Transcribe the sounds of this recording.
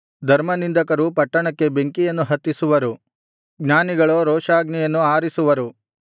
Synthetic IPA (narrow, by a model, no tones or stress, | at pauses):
d̪ʱɐɾmɐnind̪ɐkɐɾupɐʈːɐɳɐkːe̞beŋkijɐnːuɦɐt̪ːisuʋɐɾu | ɡnʲaːniɡɐɭoːɾɔːʂaːɡnijɐnːuaːɾisuʋɐɾu